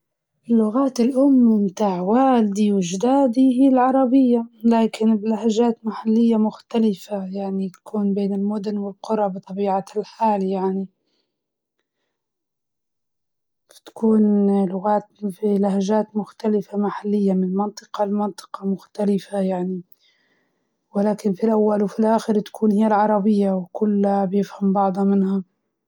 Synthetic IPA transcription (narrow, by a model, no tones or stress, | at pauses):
ʔɪlːʊɣaːt̪ɪlʔʊmːimt̪aːʕwaːld̪iwɪʒd̪aːd̪iɦiːlʕɑɾˤɑbɪjːalaːkɪnblaɦaʒaːt̪maħalːɪjːamʊxt̪alɪfajaʕnit̪ḁkʰuːnbeːnɪlmʊd̪ʊnwɪlqʊɾˤɑbɨt̪ˤɑbiːʕalħaːljaʕni | fḁt̪ḁkuːnlʊɣaːt̪̚ɪnfilahaʒaːt̪mʊxt̪alɪfamaħalːɪjːamɪnmɑnt̪ˤɨ̥qɑlmɑnt̪ˤɨ̥qɑmʊxt̪alɪfajaʕni | wɪlaːkɪnfilʔawːalwfilʔaːxɪɾt̪ḁkʰuːnhɪjːalʕɑɾˤɑbɪjːawkʊlːabjɪfhambɑʕd̪ˤhɑmɪnha